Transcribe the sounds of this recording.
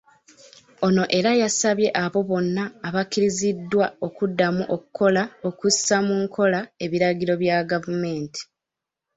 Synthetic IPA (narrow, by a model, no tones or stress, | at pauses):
o̞no̞ʔe̞ɾajasaβje̞ʔaβo̞βo̞nːaːβakːiɾizidːwao̞kudːamuʔo̞kukʰo̞lao̞kusamuŋkʰo̞lae̞βiɾaɡiɾo̞βjaɡavume̞ːnti̥